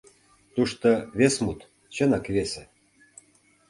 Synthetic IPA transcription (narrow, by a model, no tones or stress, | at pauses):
t̪uʃt̪ŏβesmut̪ | t͡ɕɤ̆nɑkβese